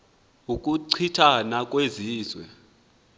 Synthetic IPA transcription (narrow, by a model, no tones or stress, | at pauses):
ukʼuǀʰitʰanakʼweziːzwɛ̰